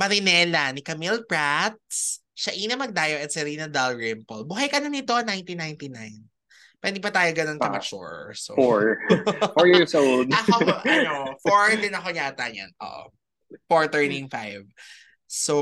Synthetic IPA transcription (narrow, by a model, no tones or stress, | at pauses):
mɐɾɪnɛlɐnɪkɐmilpɹat̪̚s | ʃɐʔinɐmɐɡ̚d̪aːjɐwɛt̪̚sɛɾiːnɐd̪alɹɪmpolbuːɦɐjkɐnɐnɪt̪o̞najnt̪inajnt̪inajn | pwɛːd̪ɪpɐt̪aːjoɡɐnonk̪ɐmɐt͡ʃo̰ɹso̰fɔɹfɔɹjɪɹsod̪ɐkoʔɐnofoɹd̪ɪnɐkoɲaːt̪ɐɲɐ̰nʔo̰ːʔo̰ | foɹt̪ɛɹnɪŋfajv | so